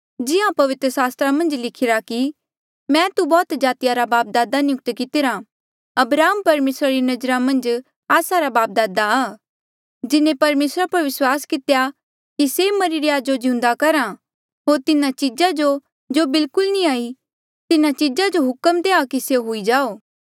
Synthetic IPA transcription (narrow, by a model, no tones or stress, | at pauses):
d͡ʒɪɦãpɐʋɪt̪ɾəsaːst̪ɾamɐ̃nd͡ʒlɪkʰɪɾaki | mɛ̃ːt̪ubɔːt̪d͡ʒaːt̪ijaɾabaːp̚d̪aːd̪anɪjʊk̚ʈ̪kɪt̪ɪɾa | ɐbɾaːɦəmpɐɾmeːsɾaɾinɐd͡ʒɾamɐ̃nd͡ʒ | aːsaɾabaːp̚d̪aːd̪aaː | d͡ʒɪnẽpɐɾmeːsɾapɐɾʋɪswaːskɪt̪eja | kisemɐɾiɾjaːd͡ʒod͡ʒɪ̃ʊ̃nd̪akɐɾa | ɦoːɾt̪ɪnat͡ʃɪd͡ʒad͡ʒo | d͡ʒobɪlkʊlnĩaːi | t̪ɪnãt͡ʃɪd͡ʒad͡ʒoɦʊkəmd̪eːakiseɦoid͡ʒaːoː